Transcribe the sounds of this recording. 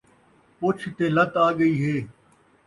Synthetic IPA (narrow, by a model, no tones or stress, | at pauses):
pʊt͡ʃʰt̪eːlət̪aːɠəiːɦeː